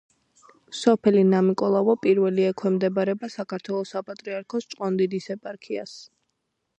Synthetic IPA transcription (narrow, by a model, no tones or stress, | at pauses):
sɔpʰɛlinamikʼɔlˠavɔpʼiɾvɛliɛkʰwɛmd̪ɛbaɾɛbasakʰaɾt̪ʰwɛlˠɔsapʼat̪ʼɾiaɾkʰɔst͡ʃʼqʼɔnd̪id̪isɛpʼaɾkʰia̰s